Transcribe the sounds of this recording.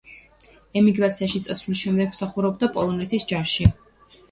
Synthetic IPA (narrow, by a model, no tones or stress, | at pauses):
ɛmiɡɾat̪sʰiaʃit̪sʼasvlisʃɛmd̪ɛɡm̥saχuɾɛbd̪apʼɔlˠɔnɛt̪ʰisd͡ʒaʃɛ